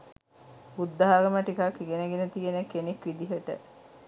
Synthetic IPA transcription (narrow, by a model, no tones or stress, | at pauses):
bud̪ːɐɦaɡəməʈikakːiɡenəɡenət̪ienekːenekʋid̪iɦəʈə̰